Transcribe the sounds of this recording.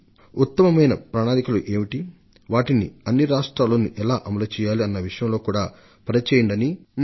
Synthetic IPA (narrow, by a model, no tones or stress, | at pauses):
ut̪ːɐmɐmɐjnɐpɾaːnaːɾikɐluʔeːmiʈi | ʋaːʈinḭɐnːiɾaːʂʈɾaːloːnuʔɛlaːʔɐmɐlɐt͡ʃɛːjaːliɐnːɐʋiʂɐjɐmlo̞ːkuːɽaː | pɐɾɐt͡ʃɛːjɐɳɖɐni